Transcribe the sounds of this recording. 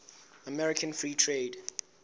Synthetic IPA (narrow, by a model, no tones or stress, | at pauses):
amɛɹikʰə̃nfɹiːtʰɹeːd